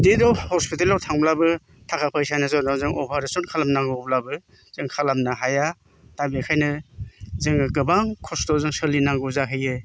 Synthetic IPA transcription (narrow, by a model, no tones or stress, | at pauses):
didɔwhɔspitelɔwtʰaŋblabɯ | tʰakʰapʰajsanɯzɔnɔzɯŋɔpʰaɾesɔnkʰalamnaŋɡɯblabɯ | z̥ɯŋkʰalamnaɦaja | tabekʰajnɯzɯŋɯkɯbaŋkʰɔstɔzɯŋsɯlinaŋɡɯzaɦʰɯjɯ